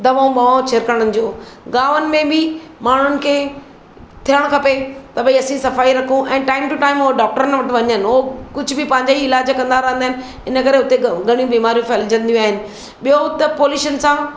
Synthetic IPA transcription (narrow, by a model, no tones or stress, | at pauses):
d̪ɐʋaũɓaːʋõt͡ɕʰeɾkəəɽ̃ənɪ̆d͡ʑoːɡaːʋənɪ̆mẽbɪmaːɳ̤ʊnɪ̆kʰeː | t̪ʰijəɽ̃kʰɐpet̪ɐbĩɐsĩsɐfaːiɾɐkʰũʔɛ̃ːʈaːɪmʈuʈaːɪmɦoɖaːk̚ʈəɾənʋɐʈɪ̆ʋɐɲənɪ̆ɦokʊd͡ʑʱʊbɪpɐ̃ɦɪ̃ɲd͡ʑaiɪlaːd͡ʑkɐ̃nd̪aɾɐɦə̃nd̪aɦɪnɪ̆ | ɪnəkɐɾeʊt̪eɡʱɐɽ̃ijũbiːmaːɾjũfʰɐld͡ʑɐ̃nd̪ijũaːɦɪnɪ̆ | ɓijoʊt̪epoːluːʃənsãː